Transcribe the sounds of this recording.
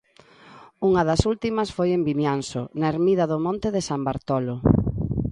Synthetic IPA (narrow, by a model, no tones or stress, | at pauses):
uŋɐðɐsult̪imɐsfojembimjansʊ̰naeɾmiðɐðʊmõnt̪eðesambaɾt̪ɔlo